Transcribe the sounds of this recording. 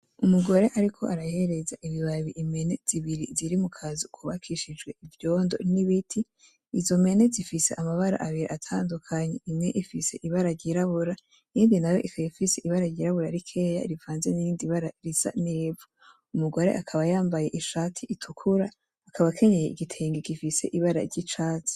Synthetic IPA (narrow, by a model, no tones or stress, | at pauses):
umuɡo̞ɾe̞ʔaɾikʰo̞ʔaɾajhe̞ɾe̞zaʔiβiβaβiʔime̞ne̞z̥iβiɾiziɾimukʰazukʰuβakʰiʃid͡ʒɡwe̞ivjo̞ːndo̞̰niβitʰiː | zo̞me̞ne̞zifise̞ʔamaβaɾa̰ʔaβiɾiʔatʰaːndukʰaɲeimŋe̞ʔifise̞ʔiβaɾaɾɟiɾaβuɾa | iːndinajo̞ʔikajifiseʔiβaɾaɾɟiɾaβuɾaɾikʰe̞ːja̰iɾivaːnzeniiːndiβaɾaɾiz̥a̰neːvo | umuɡo̞ɾe̞̰ʔakʰaβajaːmbaje̞ʔiʃaːtʰiitʰukʰuɾaː | kʰaβakʰe̞ɲejeʔiɡitʰe̞ːŋɡiɡifise̞̰ʔiβaɾa̰ɾɟit͡ʃaːt͡si̥